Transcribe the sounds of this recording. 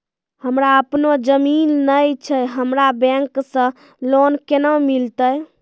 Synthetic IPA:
həmɾaəpnod͡ʒəminːəjt͡ʃʰəɦəmɾabɛ̃ŋksə̃ | lonkenəmilt̪əj

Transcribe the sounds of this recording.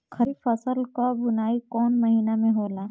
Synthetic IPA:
kʰɐɾifəsəlkabʊnaːikɔːnmɐɦiːnamẽɦoːlaː

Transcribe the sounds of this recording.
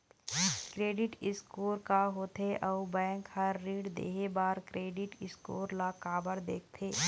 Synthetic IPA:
kɾeːɖɪʈɪskoːɾkaɦoːt̪ʰeʔɔːbɛ̃ːŋkhəɾːiːɽd̪ḛːɦebaːɾkɾeːɖɪʈɪskoːɾlakaːbəɾd̪eːk̚ʰt̪ʰeː

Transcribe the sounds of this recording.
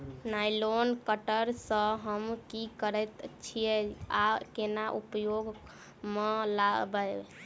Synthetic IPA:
najlonkəʈəɾsə̃ɦəmkikəɾɛt̪t͡ʃʰijɛakenaʔupəjoɡ | melabə

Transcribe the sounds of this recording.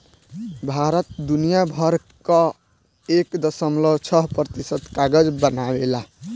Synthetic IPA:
bʱaɾət̪̚d̪unijabʱəɾ | kə | ekd̪əsəmlət͡ʃʰəɦpɾət̪isəd̪kaɡəd͡ʒbənawela

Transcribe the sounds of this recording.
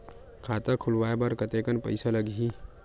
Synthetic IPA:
kʰaːt̪akʰʊlʋaːebaɾkət̪ekənpə̰ɪsaləɡɦi

